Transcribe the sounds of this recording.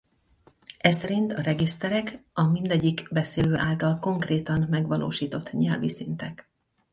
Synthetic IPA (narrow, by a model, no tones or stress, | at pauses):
ɛsɛɾint̪ɒrɛɡist̪ɛɾɛkɒmind̪ɛɟːikbɛseːløːʔaːlt̪ɒlko̞ŋkreːt̪ɒnmɛɡʋɒlʔo̰ːʃiːt̪o̞t̪ːɲɛlvisint̪ɛk